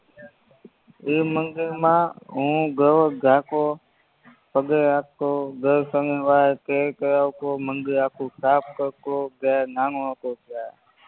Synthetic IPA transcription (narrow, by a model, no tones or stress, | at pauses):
iːməŋɡimãːɦũːɡəʋəɡʱaːko | pəɡeakːoːɡəɾsəŋeʋaːkekəɾawkoːməŋɡiakʰũkaːp̚kəɾkloɡenaŋoakokʰjaː